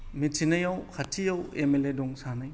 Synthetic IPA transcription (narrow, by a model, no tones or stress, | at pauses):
mitʰinɐjawkʰatʰijawemeledɔŋsanaj